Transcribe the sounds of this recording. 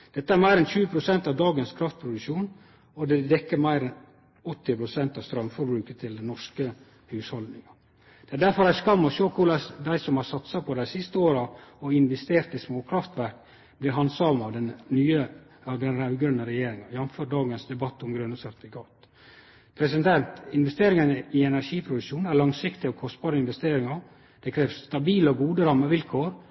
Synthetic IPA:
d̪̥ɛt̪ːəæɾmæɪɾɛnçʉːəpʰɾʊsɛnt̪ɑʋd̪ɑːɡənskʰɾɑft̪̚pʰɾʊd̪ʉʃuːn | ɔd̪ɛd̪ɛkːəɾmæɪɾɛn | ɔt̪ːɪpʰɾʊsɛnt̪ɑʋst̪ɾœmfɔɾbɾʉːkət̪ʰɪld̪ɛnɔʂkə | hʉːshɔld̪nɪŋɑ | d̪̥ɛæɖæɾfɔɾæskɑmːɔʃoːkʰʊlɑsd̪æɪsɔmhɑɾsɑt̪sɑpʰɔd̪æɪsɪst̪əoːɾɑɔɪnʋɛst̪eːɾt̪ismoːkʰɾɑft̪ʋæɾk | b̥lɪɾɦɑnsɑːʋmɑʋd̪ɛnnyːə | ɑʋd̪ɛnɾæʉɡɾʉnːəɾɛjeːɾɪŋɑjɑnføːɾɖɑːɡənsd̪ɛbɑt̪ːɔmɡɾʉnːəsœɾt̪fɪkʰɑːt̪ | pʰɾɛsɪd̪nt̪ʰɛnt̪ɪnʋɛst̪eːɾɪŋənəɪɛnæɾʂiːpʰɾʊd̪ʉʂuːnæɭɑŋsɪkt̪ɪɔkʰɔst̪bɑːɾəɪnʋɛst̪eːɾɪŋɑ | d̪̥ɛkʰɾeːʋst̪ɑbiːləɔɡuːd̪əɾɑmːəʋɪlkʰoːɾ

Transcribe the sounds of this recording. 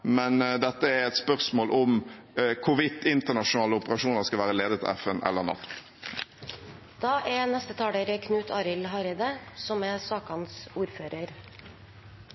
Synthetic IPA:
mɛnd̪ɛt̪ːəæɾɛt̪spœʁsmoːlʔɔm | kʰʊʋɪt̪ːɪnt̪əɳɑʂʊnɑːləʊpəʁɑʃuːnəʁskɑʋæːʁəleːd̪ət̪ʰɪlɛ̰fənʔɛ̰lːəʁnɑ̰t̪ː | d̪̥ɑːʔɛnɛst̪ət̪ʰɑːɽeɾəkʰnʉːt̪ʰɑːɾɪlɦɑɾɪd̪əsɔmɛsɑːkɑnsuːɾføːɾəɾ

